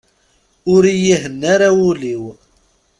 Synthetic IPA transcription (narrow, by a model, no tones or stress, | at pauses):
ʊɾijiɦənːaɾawuliw